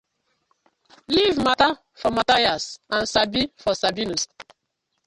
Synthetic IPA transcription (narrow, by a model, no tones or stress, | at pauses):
livmata | fɔmatajasãnsabifɔsabinus